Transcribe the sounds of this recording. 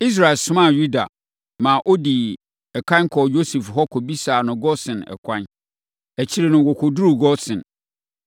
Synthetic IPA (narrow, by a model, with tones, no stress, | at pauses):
i˦s̬ɾa˨ɛ˨sʊ̃˦mã˦˨ju˦da̰˨ | mã˨ʔo˦di˨ | ɛ˨kʰã˦kʰɔ˨jo˦se˨fɦɔ˦kʰɔ˨bi˦saː˨nʊ̃˨ɡɔ˦sɪ̃˨nɛ̰˨kʷʰã˦n | æ˨t͡ɕʰi˦ɾe˨nʊ̃˨wɔ˨kʰo˨du˦ɾu˦˨ɡɔ˦sɪ̃˨n